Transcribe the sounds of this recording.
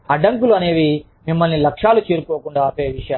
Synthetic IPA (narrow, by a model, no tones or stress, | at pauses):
ɐɖɐŋkuluɐne̞ːʋi | mimːɐlnilɐkʂaːlut͡ʃeːɾukoːkuɳɖaːɐpeːʋiʂɐja